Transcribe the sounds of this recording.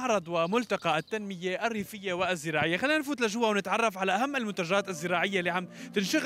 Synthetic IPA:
ʕɾˤɑd̪ˤwɪmʊlt̪ɑqɑʔɪt̪ːanmɪjːeʔarːiːfɪjːewɪzːɪɾɑːʕɪjːaxalːiːnanfuːt̪lʔaʒuwːawnɪt̪ʕɑrˤːɑfʕalaʔaɦamːɪlmʊnt̪aʒaːt̪ɪzːɪɾɑːʕɪjːalːiːʕamt̪ɪnʃaɣ

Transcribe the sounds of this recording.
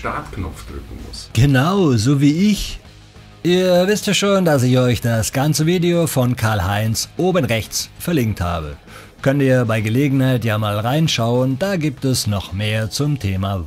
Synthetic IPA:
ʃta̰ɐtknɔ̰p͡fd̥ʁʏ̰kŋ̩mʊ̰sɡ̥ənaʊzoːviːɪç | ʔiːɐvɪstjaːʃoːndas̬ɪçɔʏçd̥asɡ̥ant͡səviːdeofɔnkʰaːɐlɦaɪnsʔoːbənʁɛçt͡sfɛɐlɪŋk̚tha̰ːbə̰ | kʰœntiːɐbaɪɡəleːɡŋ̩haɪtjaːmaːlʁaɪnʃaʊəndaːɡiːp̚tɛsnɔχmeːɐt͡sʊmtʰeːma

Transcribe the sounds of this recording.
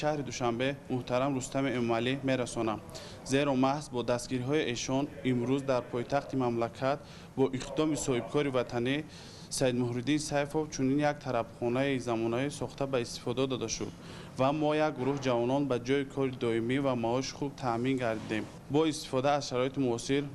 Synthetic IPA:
ʃahɾid̪uʃambe̞muht̪ʰaɾamɾust̪amiemɔmalime̞ɾasɔnam | ze̞ɾɔmahzbɔd̪ast̪ɡiɾiɦɔiʔeʃɔnimɾuzd̪aɾpʰɔjt̪ʰaχt̪imamlakʰat̪ | bɔʔiqd̪ɔmisɔhib̚kʰɔɾivat̪ʰani | said̪muhɾid̪insajfovt͡ʃʰuninjak̚t̪ʰaɾabχɔnaizamɔnaɦɔisɔχt̪ʰabaist̪i̥fɔd̪ad̪ɔd̪aʃṵd̪ | vamɔjak̚ɡuɾuhid͡ʒavɔnɔnbad͡ʒɔikʰɔɾid̪ɔimivamaɔʃi̥χub̚t̪ʰamiŋɡaɾd̪id̪e̞m | bɔist̪i̥fɔd̪aːzʃaɾɔit̪imuɔsiɾ

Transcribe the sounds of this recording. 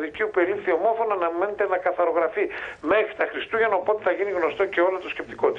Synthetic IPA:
ðiciupeɾiθio̞mo̞fo̞noɐnɐme̞net̪enɐkɐθɐɾo̞ɣɾɐfime̞xɾit̪ɐxɾist̪uʝɐnɐopo̞t̪eθɐʝiniɣno̞st̪o̞ce̞o̞lot̪oscep̚t̪i̥ko̞t̪i

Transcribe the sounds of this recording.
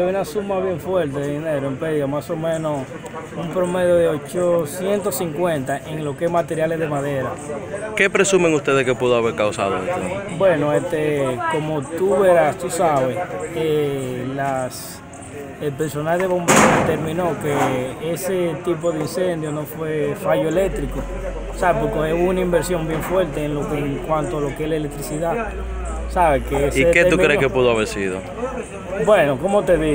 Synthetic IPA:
eunasumaβje̞ɱfwe̞ɾt̪eðeðineɾoempeðjomaso̞mẽ̞nos | umpɾo̞me̞ðjo̞ðeot͡ʃosje̞nt̪o̞siŋkwẽ̞nt̪aʔeŋlo̞ke̞smat̪e̞ɾjale̞sðe̞maðe̞ɾake̞pɾe̞sumeŋust̪e̞ðeskepuðoaβeɾkawsa̰ðoḛst̪eobwenoest̪eko̞mot̪uβeɾast̪usaβeselas | elpeɾso̞nalðeβo̞mbeɾoðet̪eɾmĩnokeeset̪ip̬o̞ðeinsẽnd̪jonofwefaʝoelek̚t̪ɾiko | saβepokeeunaimbeɾsjo̞mbje̞ɱfweɾt̪eːnlokeŋkwant̪oalo̞keehlaelek̚t̪ɾisiða | saβekeesiketeumkɾekepuðoaβeɾsiðo̰ | bwenokomot̪eði

